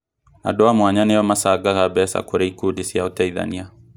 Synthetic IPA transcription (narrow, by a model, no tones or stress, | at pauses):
a̰ndoamwaɲanejɔmasaɡaɣabɛsa̰koɾeikudisiaotɛiða̰nia